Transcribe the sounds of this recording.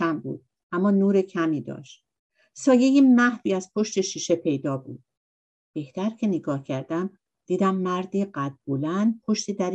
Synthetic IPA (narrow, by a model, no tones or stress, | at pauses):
æmbṵːd̪̥̚ | ʔæmːɒːnuːɾecʰæmiːd̪ɒ̰ːʃt̪̚ | sɒːje̞jimæhviːæzpʰo̞ʃt̪e̞ʃiːʃe̞pʰe̞jd̪ɒːbuːd̪̥̚ | b̥e̞ht̪æɾcʰe̞neɡɒːhcʰæɾd̪æm | d̪̥iːd̪æmːæɾd̪iːɢæd̪̚bolænd̪pʰo̞ʃt̪iːd̪æɾ